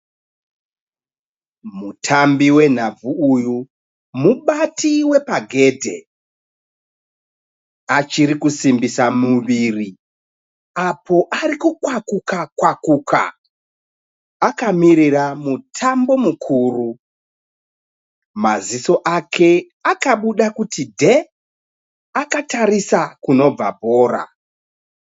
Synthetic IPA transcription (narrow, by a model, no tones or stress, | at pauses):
mutʰambiwe̞n̤ab͡vuuju | muɓatiwe̞paɡʱe̞dʱe̞̰ | at͡ʃiɾikusimbisamuʋiri | apʰo̞ʔaɾikukwakukakwakuka̰ | akamiɾiramutʰambo̞mukʰuːru | maziso̞ʔakʰe̞ | akaɓuɗakutidʱe̞ | akatarisakuno̞b͡va̰bʱo̞ːra̰